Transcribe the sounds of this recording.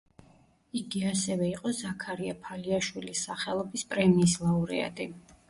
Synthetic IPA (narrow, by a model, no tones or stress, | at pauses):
iɡiasɛvɛiqʼɔzakʰaɾiapʰaliaʃwilisaχɛlˠɔbispʼɾɛmiːslˠauɾɛ̰a̰d̪ʼi